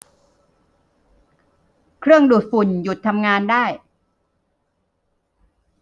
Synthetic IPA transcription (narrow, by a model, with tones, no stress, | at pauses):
kʰɾɯ˥˩əŋduː˨˩t̪̚fu˨˩nju˨˩t̪ʰːa˧mŋaː˧ndaː˥˩j